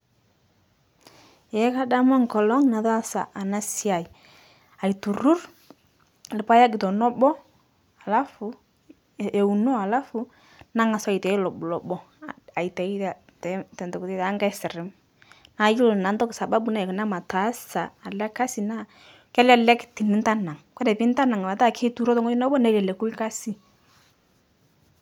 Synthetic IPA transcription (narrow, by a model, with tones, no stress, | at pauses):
e˨˦ka˦da˦mɔ˦ŋ˨kɔ˨lɔ˦ŋna˨ða˦sa̰˨ʔa˨na˦si˦a˨i˨ | a˨jtu˨ɾu˦r | lɪ˦pa˦ja˦ɡɪ˨tɔ˨nɔ˦bɔ˦ | a˨la˦fʊ˨ | e˨u˨no˦a˨la˦fʊ˦ | na˦ŋa˨sɔ˦˨i˨tɛ˨˦lɔ˨bʊ˨lɔ˨bɔ˦ | a˨i˨tɛ˨i˦ta˨ | tɛ˨˦tɛ˨ntɔ˨ktɛ˦taː˨˦ŋɡa˦sɪ˨ɾɪ˨˦m | na˨˦ju˦lna˨ntɔ˦ksa˨ba˦bu˦na˦ɛ˨kɪ˨na˦ma˨ta˨˦saː˨lɛ˦ka˦si˨na˦ | kɛ˦la˦˨lɛ˦kti˨nɪ˦nta˦na˨ŋkwɛ˦dɛ˨pɪ˦n˦ta˦na˨ŋ˨a˨ta˦˨kʰe˦tu˦ɾɔ˦tɔ˦ŋɔ˦nɔ˦bɔ˦nɛ˦lɛ˨lɛ˨ku˦lka˦si˦